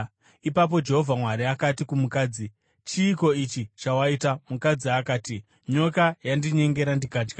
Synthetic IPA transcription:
ipap̬o̞d͡ʒe̞ɦo̞vʱamwaɾiakatikumukaːd͡zi | t͡ʃiːko̞it͡ʃit͡ʃawaitamukad͡ziakaːti | ɲo̞kajandiɲe̞ŋɡe̞ɾandikaːd͡ʒɡa

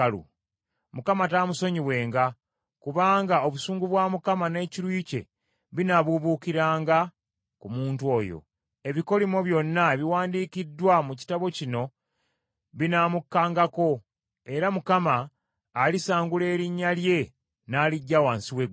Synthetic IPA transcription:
lṵ | mukamataːmuso̞ɲiβwe̞ːŋɡa | kuβaːŋɡao̞βusuːŋɡuβwaːmukamane̞ːciɾwiːce̞̰ | βinaβuβuːkiɾaːŋɡa | kumuːntuo̞jo̰ | e̞βiko̞limo̞βjo̞nːaeβiwaːndiːkidːwamuci̥taβo̞cino̞ | βinamukːaːŋɡako̞ | e̞ɾamukamaː | lisaːŋɡule̞ːɾiɲːalje̞ | naːliɟːawaːnsiwe

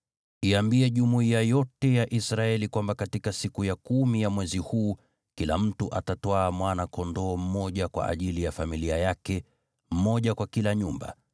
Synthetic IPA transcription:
iambiɛʄumuiajɔtɛjaʔisɾaɛlikwambakatikasikujakumijamwɛzihuː | kilam̩tuʔa̰tatwaːmwanakɔndɔːm̩mɔʄakwa̰ʔa̰ʄilijafamiliajakɛ | m̩mɔʄakwakilaɲumba̰

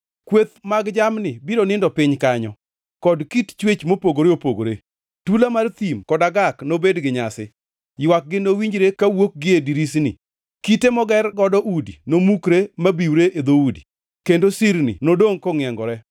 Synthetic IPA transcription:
kwet̪maɡd͡ʒamnɪbiɾonɪndɔpɪɲkaɲɔ | kɔdkitt͡ʃwet͡ʃmopoɡoɾeopoɡo̰ɾe | tulamart̪imkɔdaɡaknobedɡɪɲasɪ | jwak̚ɡɪnowiɲd͡ʒɾekawok̚ɡɪediɾisnɪ̰ | kitemɔɡɛrɡɔdɔʔudinomukɾemabiwɾeʔed̪oudi | kendosiɾnɪ̰nodoŋkɔŋɪɛŋɡɔɾɛ

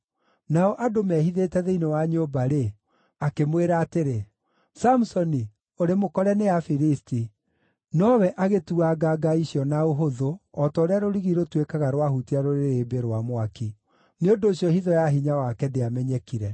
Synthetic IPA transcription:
naɔʔadomɛhiðetɛðeinewaɲobaɾe | akemweɾaːteɾe | samusɔni | oɾemokɔɾɛneafiɾisti | nɔwɛʔaɣetuaɡaɡaiɕjɔnaoɦoðoɔtɔɾeaɾoɾiɣiɾotwekaɣaɾwahutiaɾoɾeɾebeɾwamwaki | neondoːɕjɔhiðɔjaɦiɲawakɛdeamɛɲɛkiɾɛ

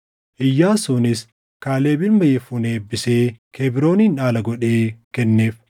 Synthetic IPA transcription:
ʔɪjːaːsunɪs | kaːleːbɪlmɐjɛfuneːbːɪseːkʰeːbɪɾo̞ːniːnᶑaːlɐɡɔᶑeːkɛnːe̞ːf

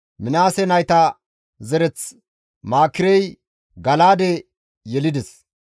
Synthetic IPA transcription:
mɪnaːsɛnɐjt̪ɐ | zɛɾɛt͡s | maːkːɪɾɛj | ɡɐlaːd̪ɛ | jɛlɪd̪ɛs

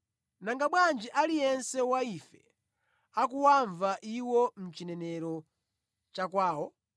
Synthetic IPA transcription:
naŋɡaɓwand͡ʒiʔalijɛnsɛwaifɛ̰ | ak̬uwaɱvaʔiwɔm̩t͡ʃinɛnɛɾɔ | t͡ʃakwaːwɔ

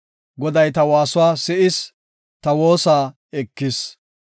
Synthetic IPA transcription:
ɡɔd̪ɐjt̪ɐwaːsʊwaːsɪʔɪs | t̪ɐwo̞ːsaː | ɛkːɪs

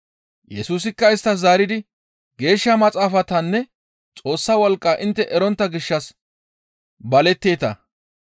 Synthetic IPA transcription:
jɛsuːs̬ɪkːɐɪst̪ːɐzaːɾɪd̪ɪ | ɡe̞ːʃːɐmɐt͡sʼaːfɐt̪ɐnːɛ | t͡sʼo̞ːsːɐwɔlkʼːaːʔɪnt̪ːɛʔɛɾɔnt̪ːɐɡɪʃːɐs | bɐlɛt̪ːe̞ːt̪ɐ̰

